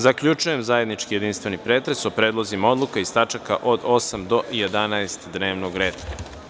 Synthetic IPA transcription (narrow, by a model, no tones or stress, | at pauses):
zakʎʲut͡ʃuje̞mzaje̞d̪nit͡ʃkijed̪inst̪ʋe̞nipɾe̞t̪ɾeso̞pɾe̞ːd̪lˠozimao̞d̪lˠukaist̪at͡ʃakaʔod̪o̞samd̪o̞jed̪anaest̪d̪ne̞ːʋnoɡɾeːd̪